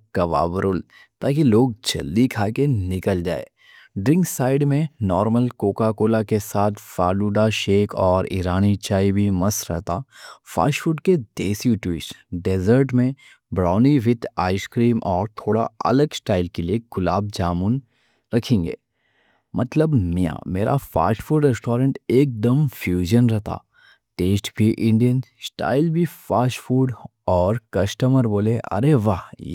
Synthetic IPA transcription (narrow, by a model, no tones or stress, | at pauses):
kɐʋa̰ːʋəɾʊl | t̪aːkiloːɡ̚d͡ʒɐ̰ld̪ikʰaːkenɪkəld͡ʒa̰ːḛː | ɖɾɪ̃ŋksaːɪɖmẽnɔːɾməlkoːkakoːlakesaːt̪ʰfaːluːɖaʃeːkʰɔːɾḭɾaːnit͡ʃaːibʱimɐsɾɛ̰ɦt̪afa̰ːʃfuʈked̪eːsijuʈwɪsɖeːzəɾʈmẽ | bɾaːniʋɪt̪ʰa̰ːɪskɾiːmʔɔːɾt̪ʰoːɽa̰ɐ̰ləɡsʈaːɪlkelieɡʊlaːb̚d͡ʒaːmun | ɾɐkʰẽːŋɡḛː | mɐt̪ləbmijã̰meːɾʔa̰fa̰ːʃfuːɖɾɛsʈoːɾə̃ɳʈeːk̚d̪əmfjuːʒənɾɛɦt̪a̰ː | ʈeːsʈbʱiʔɪ̃ɳɖijənsʈa̰ːɪlbʱifaːʃfuːɖ | ɔːɾkɐsʈəməɾboːleɐ̰ɾeʋaɦ